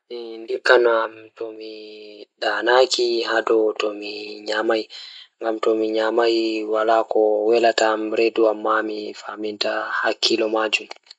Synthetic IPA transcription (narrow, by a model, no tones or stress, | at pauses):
ɛndikːanɔamtɔmiɗanakihadɔtɔmiɲamajŋɡamtɔmiɲamajwalakɔwɛlatamɾeduamːamifamintahakʰːilɔmad͡ʒum